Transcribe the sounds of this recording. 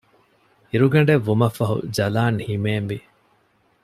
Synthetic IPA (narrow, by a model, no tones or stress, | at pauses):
iɾuɡɐɳ̆ɖeʋːumɐfːɐɦṵd͡ʒɐlaːnhimeːmʋi